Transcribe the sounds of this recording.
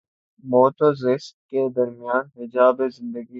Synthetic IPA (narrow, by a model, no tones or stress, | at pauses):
moːt̪ozɪst̪̚ked̪ɐɾmɪjaːnɦɪd͡ʒaːbezɪ̃nd̪əɡi